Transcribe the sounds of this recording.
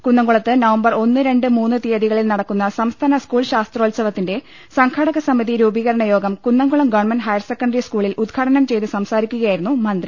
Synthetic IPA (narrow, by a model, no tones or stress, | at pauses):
kunːɐŋɡuɭɐt̪ːɨnɐʋɐmbɐro̞nːɨɾe̞ɳɖɨmuːnːɨt̪ijɐðiɣɐɭilnɐɽɐkːunːɐsɐmst̪ʰaːnɐskuːɭɕaːst̪roːlsɐʋɐt̪ːinde̞ | sɐŋkʰɐɽɐɣɐsɐmiðiɾuːbiːɣɐɾɐɳɐjo̞ːɡɐmkunːɐŋɡuɭɐmɡɐrɳmɐnɖɦɐjɐrsekːɐɳɖɐriskuːɭilʔud̪ɡʰaːʈɐnɐmt͡ɕe̞jt̪ɨsɐmsaːɾikʲːuɣɐjaːjiɾunːumɐnd̪ri